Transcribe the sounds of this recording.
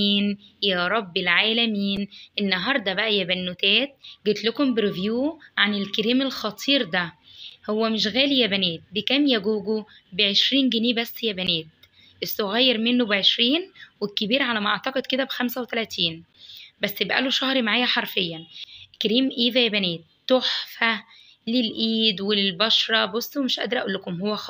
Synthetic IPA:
iːnjæːɾˤɑbːelʕaːlæmiːnʔenːɑɦɑːɾˤd̪ˤɑbæʔæjæbænːot̪æːt̪̚ɡet̪lokombeɾevjuːʕanelkeɾiːmelxɑt̪ˤʰiːɾd̪æhowːæmeʃ̬ɣæːlijæbæneːt̪̚bekæːmjæɡuːɡo | beʕeʃɾiːnɡeniːbæsːjæbæneːt̪̚ | ʔesːoɣæjːeɾmenːobeʕeʃɾiːnwekːebiːɾʕalæmæʔɑʕt̪ɑqed̪̚ked̪æbxæmsæwet̪ælæt̪iːnbæsːebʔæ̰loʃɑhɾmaʕaːjæħɑɾˤfejːænkeɾiːmʔiːðæjæbæneːt̪ːoħfæ | lelʔiːd̪welelbɑʃɾˤɑbosˤːwemeʃʔæ̰d̪ɾʔæʔuːlːekomhowːæx

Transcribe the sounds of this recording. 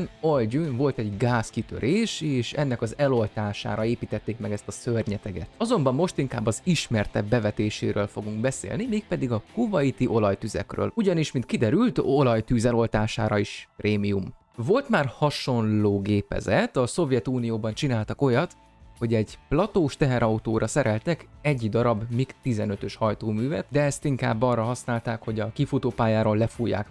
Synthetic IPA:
nolɟynvo̞lt̪ɛɟɡaːskit̪ø̞̰ɾʔeːʃeːʃɛnːɛkɒzɛlo̞lt̪aːʃa̰ːɾɒeːpiːt̪ɛt̪ːeːkmɛɡɛst̪ɒsørɲɛt̪ɛɡɛ̰t̪ɒzo̞mbɒmːo̞ʃt̪iŋkaːbːɒziʃmɛrt̪ɛ̰bbɛvɛt̪eːʃḛːɾøːlfo̞ɡuŋɡbɛsḛːlnimeːk̚pɛd̪iɡɒkubɒjit̪iʔo̞lɒjt̪yzɛ̰krø̰ːluɟɒniʃmint̪kid̪ɛɾylt̪o̞lɒjt̪yːzɛlo̞lt̪aːʃa̰ːɾɒiʃprʔeːmijum | vo̞lt̪maːrhɒʃo̞nloːɡeːpɛ̰zɛt̪ɒso̞vjɛt̪uːnijoːbɒnt͡ʃinaːlt̪ɒko̞jɒt̪ | ho̞ɟɛɟplɒt̪oːʃt̪ɛɦɛɾɒut̪oːɾʔɒsɛɾɛlt̪ɛkɛɟːid̪ɒɾɒbmikt̪izɛnøt̪ø̞ʃhɒjt̪oːmyːvɛ̰t̪d̪ɛɛst̪iŋka̰ːbːɒrːɒɦɒsnaːlt̪aːkho̞ɟɒkifut̪oːpaːjaːɾoːlːɛfuːjːa̰ːk

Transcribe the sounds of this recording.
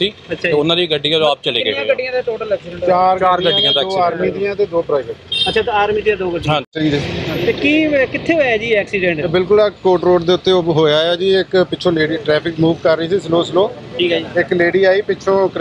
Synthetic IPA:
ʈʰiːətːʃʰaːeʊnãːɾiːɡəɖːiːãd͡ʒoaːp̚t͡ʃəleːɡeːɡəɖɪjãːt̪aʈoːʈəlɛːksiɖɛ̃ɳt͡ʃaːɾaːɾɡə̃ijãːd̪oːaːɾmiːd̪ɪjãːt̪eːd̪oːpɾaːɪbə̃əːt͡ʃʰaːt̪eaːɾmiːd̪ijãːd̪oːɡəɖĩãːt͡ʃəɾiːd̪et̪eːkiːkɪt̪ʰːeːeaːd͡ʒiːɛːksiːɖɛ̃ɳʈbɪlkʊlakoːʈɾoːɖd̪eːʊt̪ːeːoɦoːjaːjaːd͡ʒiːɪkpɪt͡ʃʰõːleːɽiːʈɾɛːpʰɪkmuːʋkəɾːəiːsiːsəloːsəloː | ʈʰiːkaːiɪkleːɽiːaːiːpɪt͡ʃʰõːk

